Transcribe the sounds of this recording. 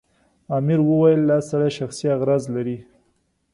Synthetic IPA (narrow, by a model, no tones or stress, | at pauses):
ɑmɪɾwəwajəlːɑsaɽajʃaxsiaɣɾɑzlaɾi